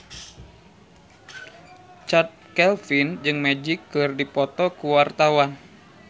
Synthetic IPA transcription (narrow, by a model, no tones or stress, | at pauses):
t͡ʃat̪̚kɛlfind͡ʒɨŋmɛd͡ʒikːɨrdipɔt̪ɔkuwart̪awan